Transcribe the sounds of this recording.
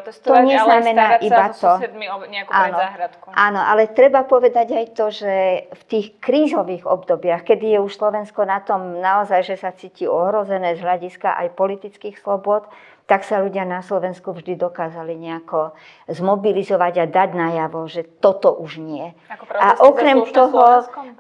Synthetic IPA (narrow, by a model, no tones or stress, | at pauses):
t̪ɔɲɛznamɛnaːʔibat̪ɔmiɲɛakanɔɦɾat̪kʔaːnɔʔalɛt̪ɾɛbapɔʋɛd̪aɟajt̪ɔʒɛft̪iːxkɾiːzɔʋiːɣɔ̰bd̪ɔbɪaxkɛd̪ijɛuʃslɔʋɛnskɔnat̪ɔmnaɔzajʒɛsat͡siːciɔɦɾɔzɛnɛːzɦlaɟiska̰ʔa̰jpɔlit̪it͡skiːxslɔbʊɔt̪ | t̪aksaluɟɪanaslɔʋɛnskuvʒd̪id̪ɔkaːzaliɲɛakɔ | zmɔbilizɔʋaɟad̪aɟnajaʋɔʒɛt̪ɔt̪ɔʔuʒɲɪɛaʔɔkɾɛmt̪ɔɦɔ